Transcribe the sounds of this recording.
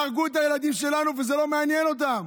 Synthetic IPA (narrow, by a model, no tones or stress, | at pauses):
ʁɡuet̬aje̞lad̪imʃe̞lanuvezelo̞meanje̞no̞t̬am